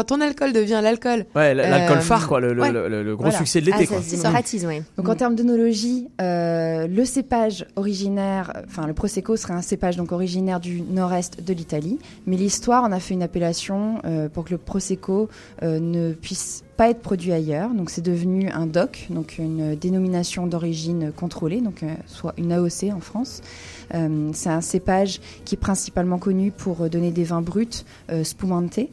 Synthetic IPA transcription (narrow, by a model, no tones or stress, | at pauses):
kɑ̃t̪ɔ̃nalkɔld̪əvjɛ̃lalkɔlwɛllalkɔlfaʁkwaləllələ̰ləɡʁossyksɛd̪əlet̪ekwaat̪izwɛd̪ɔ̃kɑ̃t̪ɛʁməd̪ənolɔʒiøləsepaʒɔʁiʒinɛʁɑ̃fɛ̃ləpχɔsekosə̥ʁɛɛ̃sepaʒd̪ɔ̃kɔʁiʒinɛʁd̪ynɔʁɛst̪d̪əlit̪ali | mɛlist̪waʁɔ̃nafɛynapelasjɔ̃øpuʁkələpχɔseko | ønəpɥispaɛt̪χə̥pχɔd̪ɥiajœʁd̪ɔ̃ksɛd̪əvənyʔɛ̰̃d̪ɔkd̪ɔ̃kʰynød̪enɔminasjɔ̃d̪ɔʁiʒinøkɔ̃t̪χoled̪ɔ̃kswaʔynaɔseɑ̃fχɑ̃s | ømsɛɛ̃sepaʒ | kʲiɛpχɛ̃si̥palmɑ̃kɔnypʰuʁd̪ɔned̪evɛ̃bʁyt̪ | øspumɑ̃t̪ʰe